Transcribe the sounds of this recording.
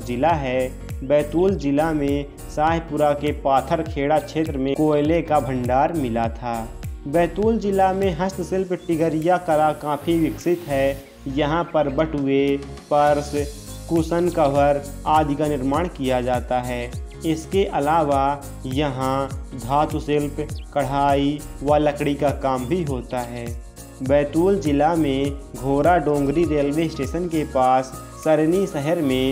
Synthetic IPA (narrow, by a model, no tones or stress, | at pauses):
d͡ʒɪlaɦɛː | bɛːt̪uːld͡ʒɪlamẽ | saːɦpʊɾakepaːt̪ʰəɾkʰeːɽat͡ʃʰeːt̪ɾəmẽkoːɪlekabʱə̃ɳɖaːɾmɪlat̪ʰaːbɛːt̪uːld͡ʒɪlamẽɦəst̪sɪlpʈɪɡəɾɪjakəɾakãːpʰiʋɪksɪt̪ɦɛ | jɐɦãpəɾbəʈɦʊepəɾs | kusənkəʋəɾ | aːd̪ʱikanɪɾmaːɽ̃kijad͡ʒaːt̪aɦɛː | ɪskeʔɐlaːʋa | jɐɦãd̪ʱaːt̪ʊsɪlpkəɽ̤aːiʋələkɽikakaːmbʱiɦoːt̪aɦɛː | bɛːt̪uːld͡ʒɪlamẽɡʱoːɾaɖõːŋɡɾiɾeːlʋesʈeːʃənkepaːsː | əɾnisəɦəɾmẽ